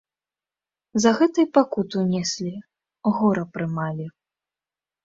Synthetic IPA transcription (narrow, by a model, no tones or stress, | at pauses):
zɐɣɛt̪ɨjpakut̪uwnʲɛsʲlʲi | ɣɔɾɐpɾɨmalʲi